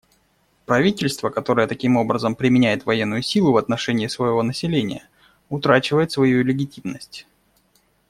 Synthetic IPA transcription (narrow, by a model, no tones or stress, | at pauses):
pɾɐvʲitʲɪlʲst̪vəkɐt̪o̞ɾəjət̪ɐkʲimo̞bɾəzəmpɾʲɪmʲɪnʲæjɪt̪vɐjenːʊjʊsʲilˠʊvɐt̪nɐʂɛnʲɪːsvɐjɪvo̞nəsʲɪlʲenʲɪ̰jə | ʊt̪ɾat͡ɕɪvəjɪt̪svɐjulʲɪɡʲɪtʲimnəsʲtʲ